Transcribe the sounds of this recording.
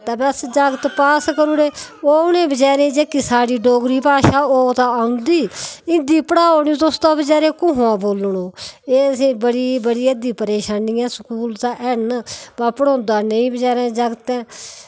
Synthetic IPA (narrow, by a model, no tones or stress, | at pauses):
t̪aːbɛsd͡ʒəɡt̪paːskəɾuːneːoːʊnẽːbəd͡ʒaːɾẽːd͡ʒeːkiːsaːɽiːɖoːɡɾiːpaːʃaːoːt̪aːaʊ̃nd̪iːɪ̃nd̪iːpəɽaːoːniũːt̪ʊst̪ãːbəd͡ʒaːɾẽːkʊːɦãːboːlɳoːeːəsĩːbəɽiːbəɽiːeːd̪iːpəɾeːʃaːniːãːsəkuːlt̪aːʔɛnbaːpəɽõːnd̪aːnəĩːbəd͡ʒaːɾɛ̃ːd͡ʒəɡt̪ɛ̃ː